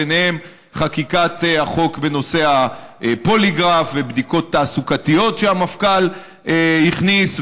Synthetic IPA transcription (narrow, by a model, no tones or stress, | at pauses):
eneem | χakikat̪eaχo̞kbe̞no̞se̞hapo̞liɡʁafvebd̪iko̞t̪ːaːsukat̪ijo̞tʃeamafkal | ehiχnis